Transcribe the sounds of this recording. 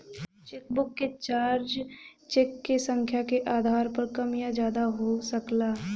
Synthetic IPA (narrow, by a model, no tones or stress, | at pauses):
t͡ʃekbʊkːet͡ʃaːɾd͡ʒt͡ʃekːesə̃ŋkʰjakeʔaːd̪ʱaːɾpɐɾkɐmjad͡ʒjaːd̪aɦosəklaː